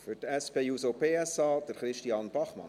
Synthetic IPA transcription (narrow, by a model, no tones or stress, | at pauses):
fʏɾtɛspeːjuːsopeːɛsɑːd̥̪əɾχɾɪʃtiɑːnb̥ɑχmɑ̰n